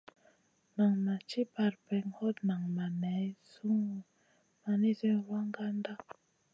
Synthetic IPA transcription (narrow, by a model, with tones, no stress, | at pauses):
na˨ŋma˨t͡ʃi˦pa˨ɾpɛ˨ŋhɔ˦t̪na˨ŋma˨nɛ˨˦su˦ŋ˨ | ma˨ni˦zɛ˦wa˦ŋɡa˦nda˦